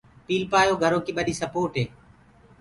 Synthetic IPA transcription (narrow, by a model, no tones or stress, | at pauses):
piːlpaːjoːɡʱəɾõːkiːɓəɗiːsəpoːʈɦeː